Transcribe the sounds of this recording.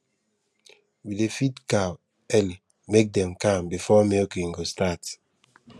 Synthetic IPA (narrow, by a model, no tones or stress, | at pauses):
widefitka | ɛli | mek̚dɛ̃mkãmbifɔmekĩŋɡostat